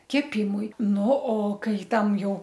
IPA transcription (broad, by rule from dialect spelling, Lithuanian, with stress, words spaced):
kʲɛˈpʲɪmʊɪ ˈnʊ oː ˈkɐɪ ˈtɐm ˈjɛʊ